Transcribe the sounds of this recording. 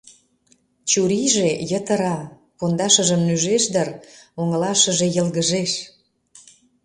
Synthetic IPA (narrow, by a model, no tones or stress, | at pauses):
t͡ɕuɾiʒejət̪əɾɑ | pond̪ɑʃəʒəmnyʒeʃd̪əroŋəlɑʃə̆ʒejəlɣəʒeʃ